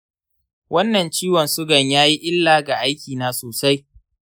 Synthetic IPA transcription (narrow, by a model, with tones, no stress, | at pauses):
wʔɐ˦nːɐ˨nt͡ʃiː˦wɐ˨nsʊ˦ɡɐ˨ɲjaː˦ji˦ʔɪ˦lːaː˨ɡa˨ʔa˦jkʲiː˨naː˦soː˨sa˦j